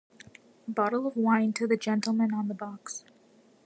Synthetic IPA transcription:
bɑɾl̩ˠʌvwãɪ̃ntʰɨðɨd͡ʒɛ̃ntˡl̩ˠmɨ̃nə̃nðəbɑks

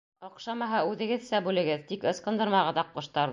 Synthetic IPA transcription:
ŏqʃɑmɑɦɑʉðɘ̆ɡɘðsæbʉlɘ̆ɡɘðt̪ikɤ̆sqɤ̆nd̪ɤ̆ɾmɑʁɤðɑqːŏʃt̪ɑɾð

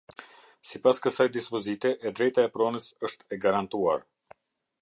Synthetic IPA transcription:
sipaskəsajd̪ispɔzit̪ɛʔɛd̪ɾɛjt̪aɛpɾɔnəsəʃt̪ɛɡaɾant̪ua̰ɾ

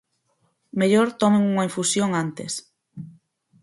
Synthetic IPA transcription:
meʎoɾt̪ɔmẽŋuŋaiɱfusjoŋant̪ḛs

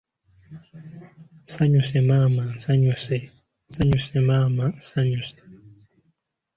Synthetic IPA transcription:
saɲusemamasaɲuse | saɲusemamasaɲuse̥

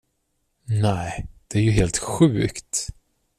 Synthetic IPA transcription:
nɛɪd̪̥ɛæɾjɵɦeːlt̪ɧʉ̟ːkt̪

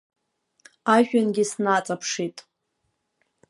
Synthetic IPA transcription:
aʒᶣanɡʲisnat͡sʼapʰʂitʼ

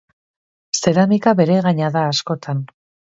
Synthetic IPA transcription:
se̞ɾamikaβe̞ɾe̞ɣaɲaðaːsko̞t̪ʰan

